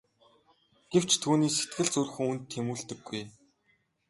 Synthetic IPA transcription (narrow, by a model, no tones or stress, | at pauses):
ɡ̥ew̥t͡ɕt̪ʰuːniːset̪̚ɡɘ̆ɮt͡sɵr̆xɘ̆ŋunt̪ʰːemuːɮt̪ɘ̆ɡːuj